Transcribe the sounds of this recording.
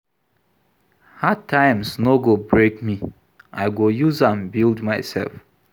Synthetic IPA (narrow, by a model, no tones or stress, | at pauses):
hatʰːãjmsnoɡobɹekmi | ʔajɡojuzãnbildmajsɛ̰lf